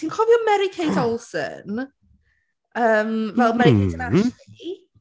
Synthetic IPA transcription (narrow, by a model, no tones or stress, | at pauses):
siːnkʰɔvjɔmɛɾikʰejdɔlˠsə̰n | əːmvɛlˠmɛɾiejdənati